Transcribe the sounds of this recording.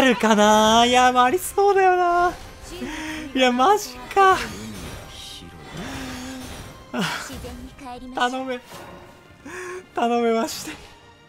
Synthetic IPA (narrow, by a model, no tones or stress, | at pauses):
ɾɯ̟kanaijamaɾʲiso̞ːd̪ajo̞naː | jamaʑika | a | t̪ano̞me | t̪ano̞me̞maɕi̥t̪e̥